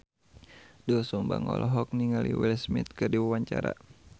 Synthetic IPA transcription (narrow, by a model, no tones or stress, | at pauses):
dusumbaŋɔlʔɔɦɔk̚niŋaliwilsmɪt̪̚kɨrdiwawaɲt͡ʃaɾa